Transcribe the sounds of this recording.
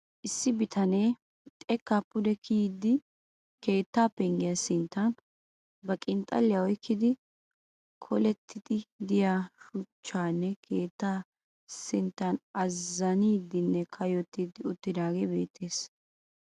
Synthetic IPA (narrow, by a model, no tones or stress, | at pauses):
ʔɪsːɪbɪt̪ʰɐne̞ː | t̪ʼɛkːapːʊd̪ɛkʰiːd̪ɪ | ke̞ːt̪ːaːpːɛŋɡɪjɐsɪnt̪ːɐn | bɐkʼɪnt̪ʼɐ̰lːɪjɐɔjkʰːɪd̪ɪ | kʰɔlɛt̪ʰːɪd̪ɪd̪ɪjaːʃʊt͡ʃːaːnːɛkʰe̞ːt̪ːaː | sɪnt̪ːɐnɐzːɐniːd̪ɪnːɛkʰɐjɔt̪ːid̪ɪʊt̪ːɪd̪aːɡebe̞̰ːt̪ʰːeːs